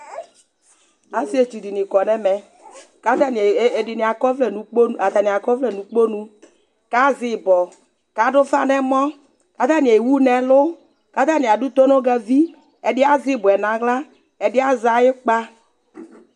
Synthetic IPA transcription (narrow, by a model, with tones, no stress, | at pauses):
a˦si˦e˨t͡ʃu˨di˨nĩ˨kɔ˨nɛ˦mɛ˨ | ka˦t̪a˦n˨dɪ˨nĩ˨a˨kɔ˦vlɛ˨nũ˨˦k͡po˦a˨t̪a˨nĩ˨a˨kɔ˦vlɛ˨nũ˨k͡po˦nũ˦ | ka˨˦zɪ˨bɔ˨ | ka˨˦ɖʊ˦fa̰˦˨nɛ̃˦mɔ̃˦ | ka˨˦t̪a˦ni˨e˨wu˦nɛ̃˨lʊ˦ | ka˨˦t̪a˦˨ni˨a˨ɖu˦t̪o˦no˦ɡɛ˦vi˦ | ɛ˨dɪ˦a˦zɪ˦bʊ˨ɛ˨nã˨ɣla˦ | ɛ˨dɪ˦a˦za˨jɪ˦k͡pa˦